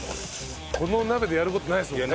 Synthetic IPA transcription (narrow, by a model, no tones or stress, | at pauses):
ko̞no̞nabe̞d̪e̞jaɾɯ̟ko̞t̪onaiesɨm